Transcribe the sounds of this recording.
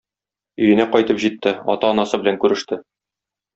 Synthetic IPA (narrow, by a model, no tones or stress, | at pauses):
ɵ̆jɘ̆næqɒjt̪ɤpʑit̪ːɘɒ̰t̪ɑɒnɑsɤbɘ̆læŋkʉɾɘ̆ʃt̪ɘ